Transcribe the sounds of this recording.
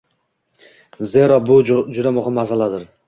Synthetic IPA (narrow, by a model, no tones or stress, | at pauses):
zeɾɒbʊd͡ʒʊd̪amʊχɪmːazalad̪ɪɾ